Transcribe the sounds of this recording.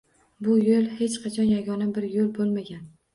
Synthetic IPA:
bʊjolˠhe̞t͡ʃqʰɑt͡ʃʰɒnjaɡʲɒnabɪɾjolˠbolˠmaɡʲan

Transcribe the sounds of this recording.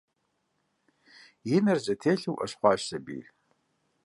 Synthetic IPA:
jɪnɐrzʼɐtʰeːɬɨwʔɐ̰ɕχʷɑːɕsɐbḭː

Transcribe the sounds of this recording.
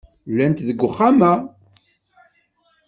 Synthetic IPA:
lːænt̪ðəɡʷːʊχːamæ

